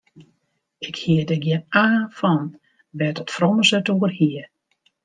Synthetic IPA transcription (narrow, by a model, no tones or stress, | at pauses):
ɪkhiədəɡjɛnaːfɔn | ʋɛtɔtfrɔməsətuərhiə